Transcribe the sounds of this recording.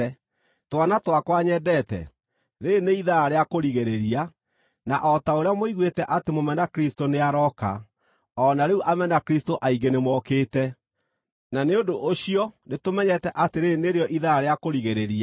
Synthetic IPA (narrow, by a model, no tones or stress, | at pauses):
twanatwakwaɲɛdɛtɛ̰ | ɾeneiðaaɾeakoɾiɣeɾeɾia | naʔɔtaoɾeamoiɣwetɛʔatemomɛnakɾistoneaɾɔka̰ | ɔnaɾeuʔamɛnakɾistoʔaiɡenemwɔkeːtɛ | naneodoʔːɕiɔnetomɛɲɛtɛʔateɾeneɾeɔʔiðaaɾeakoɾiɣeɾeɾia